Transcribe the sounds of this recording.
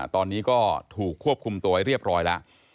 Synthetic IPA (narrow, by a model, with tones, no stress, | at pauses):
t̪ɔː˧nːiː˦˥kɔː˥˩t̪ʰuː˨˩kʰːu˥˩əp̚kʰu˧mt̪u˧wa˧jɾi˥˩əp̚ɾɔː˦˥jla̰˦˥ʔ